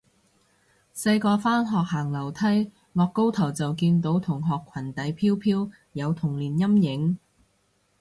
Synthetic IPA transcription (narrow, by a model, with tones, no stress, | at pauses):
sɐ˧jkɔː˧faː˥nɦɔː˨k̚haː˨˩ŋlɐ˨˩wt̪ʰɐ˥j | ŋɔː˨kːo˥wt̪ʰɐ˨˩wt͡sɐ˨wkiː˧nt̪o˨˥wt̪ʰʊ˨˩ŋɦɔː˨kʰːɐ˨˩nt̪ɐ˨˥jpʰiː˥wpʰiː˥w | jɐ˨˧wt̪ʰʊ˨˩ŋliː˨˩njɐ˥mjɪ˨˧˥ŋ